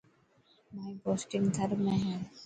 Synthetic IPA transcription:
maːiboːsʈɪ̃ŋɡd̪ʰʱəɾmẽɦɛ̃

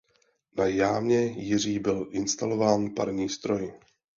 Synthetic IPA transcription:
najaːmɲɛjɪr̝iːbɪlʔɪnst̪alo̞vaːnpaɾɲiːst̪ɾo̞j

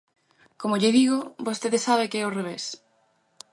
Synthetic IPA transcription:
komoʎɪðiɣobost̪eðesaβ̞ekɪɛoreβ̞es

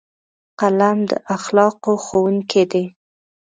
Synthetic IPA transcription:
qalamd̪ə̰ʔaxlɑqoxowuŋkʰed̪e

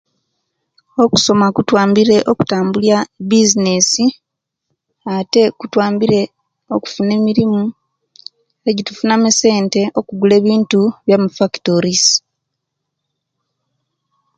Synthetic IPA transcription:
o̞ku̥so̞makutwaːmbiɾe̞ʔoku̥taːmbuljabizine̞si | ate̞kutwaːmbiɾe̞ | o̞ku̥fune̞miɾimu | eɟitufunamese̞ːnte̞ʔo̞kuɡule̞ːβiːntuβjamufakitoɾis

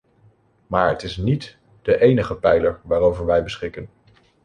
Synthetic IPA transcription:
maːɹətɪsnit | d̥əʔejnəχəpɛjləɹʋaːɾowvəɹʋɛjbəsχɪkən

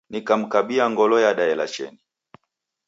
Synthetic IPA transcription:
nikam̩kaɓiaŋɡɔlɔjaɗaɛla̰t͡ʃɛ̰ni

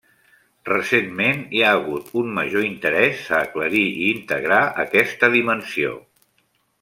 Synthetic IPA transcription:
rəsenmeniaːɣut̪umməʒoint̪əɾɛzəːkləɾiiːnt̪əɣɾaə̰kɛst̪əðimənsio̰

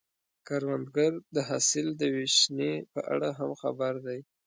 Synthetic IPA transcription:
kaɾwand̪ɡaɾd̪əɦɑsɪld̪əweʃnepəʔa̰ɽaɦamxabaɾd̪aj

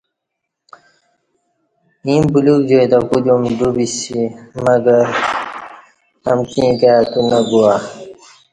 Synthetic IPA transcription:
ĩmbulukd͡ʑojd̪akud̪umd̪ubisimɐɡɐɾ | ɐ̰mkĩːkaːt̪unɐɡua

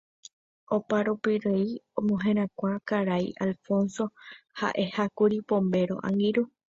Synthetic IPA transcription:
opaɾupiɾeiõmõɦẽɾ̃ãkʷãkaɾajʔalfõ̞nso̞ha̰ʔe̞hakuɾipõ̞mbe̞ɾo̞̰ʔã̰ŋɡiɾu

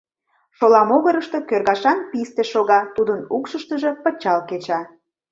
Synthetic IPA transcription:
ʃolɑmoɣəɾəʃt̪o̽kørɣɑʃɑnpist̪eʃoɣɑt̪ud̪ənukʃəʃt̪əʒe̽pət͡ɕɑlket͡ɕɑ

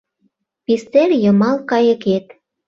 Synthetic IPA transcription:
pist̪erjə̆mɑlkɑjə̆ket̪

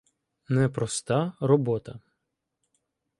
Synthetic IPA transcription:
nɛpɾɔst̪ɑɾɔbɔt̪ɐ

